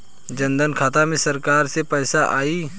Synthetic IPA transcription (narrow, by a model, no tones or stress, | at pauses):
d͡ʒənd̪ənkʰaːt̪amẽsəɾkaːɾsepɛːsaʔaːiː